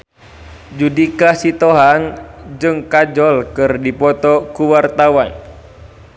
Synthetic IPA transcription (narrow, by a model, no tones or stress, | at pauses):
d͡ʒudikasit̪oɦaŋd͡ʒɨŋkad͡ʒɔlkɨrdipɔt̪ɔkuwart̪awan